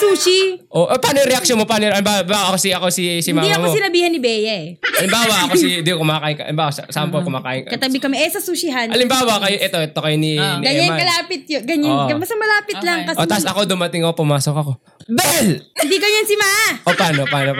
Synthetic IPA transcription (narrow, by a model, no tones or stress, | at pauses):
suːʃiʔoʔopaːnojʊŋɾɛʔɐk̚ʃjonmopaːnojʔɐlɪmbawbaːwaʔɐkosiʔɐko̞sisɪmaːd̪iɐmosɪnɐbiːhɐnɪbɛːjɐɛɐlɪmbaːwɐʔɐkoind̪ikokʊmaːkaːʔɪnkɐʔɐlɪmbaːwɐssampolkʊmaːkaːʔɪnkɐkɐɐbɪkɐmɛʔɛsɐsuʃɪɦanʔɐlɪmbaːwɐkɐjoʔɛt̪o̞ʔɛt̪okɐjoninʔɡɐɲɛamakɐlaːpɪt̪̚joɡɐɲankɐmɐsɐmɐlaːpɪt̪lɐŋkɐʔot̪asɐko̞d̪ʊmɐt̪ɪŋopʊmaːsokɐko̞ | bɛlɪnd̪iɡɐɲɐnsɪmaːʔaʔopaːnopaːno